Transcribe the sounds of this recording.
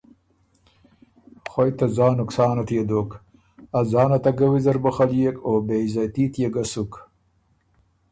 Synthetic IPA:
xojt̪azɑːnʊksɑːnat̪jed̪oːk | azɑːnat̪aɡawizɐɾbuχaljekoːbezajt̪iːt̪jeɡasuk

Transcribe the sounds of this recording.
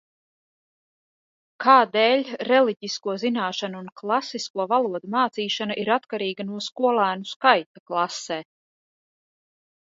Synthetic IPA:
kʰaːd̪ɛːlʲɾɛliɟiskuɔzinaːʃanuunklˠasiskuɔvalˠuɔd̪umaːt̪siːʃanaʔiɾat̪kaɾiːɡanuɔskuɔlˠaːnuskajt̪aklˠaseː

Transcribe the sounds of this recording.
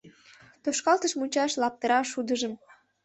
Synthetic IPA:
t̪oʃkɑlt̪əʃmunʲt͡ɕɑʃlɑp̚t̪əɾɑʃud̪əʒəm

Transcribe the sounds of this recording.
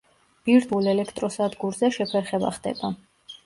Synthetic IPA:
b̥iɾt̪ʰulɛlɛkʰt̪ʼɾɔsad̪ɡuɾzɛʃɛpʰɛɾχɛba̰χd̪ɛ̰ba

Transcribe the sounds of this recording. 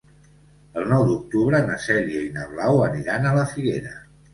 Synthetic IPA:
əlˠnɔwd̪uk̚t̪uβɾənəsɛʎiəinəβlawəniɾanələfiɣeɾə

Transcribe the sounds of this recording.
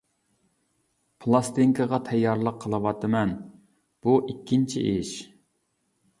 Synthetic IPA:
pʰlˠɑst̪iŋkʰɨʁɑt̪ʰɛjːɑɾlˠəqʰːəlˠɨwɑt̪ʰɨmɛn | b̥uʔikʲʰːint͡ʃʰiʔiʃ

